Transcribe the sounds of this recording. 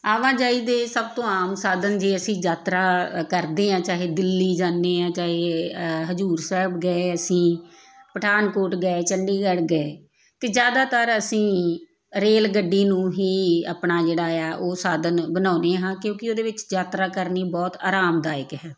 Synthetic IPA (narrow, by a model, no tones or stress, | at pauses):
aːʋãːd͡ʒaːiːd̪eːsəb̚t̪õːaːmsaːd̪ənd͡ʒeːəsĩːd͡ʒaːt̪ɾaːkəɾd̪eːãːt͡ʃaːɦeːd̪ɪlːiːd͡ʒaːnːeːãːt͡ʃaːɦeːɦəzuːɾsɛːbɡəeəsĩː | pəʈʰaːnkoːʈɡəeːt͡ʃəɳɖiːɡəɽɡəeː | t̪eːd͡ʒjaːd̪aːt̪əɾəsĩː | ɾeːlɡəɖːiːnũːɦiːa̰pnaːd͡ʒeːɽaːjaːʔoːsaːd̪ənbənãːneːɦãːkjõːkɪoːd̪eːʋɪt͡ʃd͡ʒaːt̪ɾaːkəɾniːbɔːt̪a̰ːɾaːmd̪aːɪkɦɛː